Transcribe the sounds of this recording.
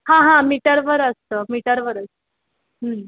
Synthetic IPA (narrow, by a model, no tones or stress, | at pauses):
hãɦãmiʈəɾʋəɾəst̪əːmiʈəɾʋəɾəst̪ə | ɦə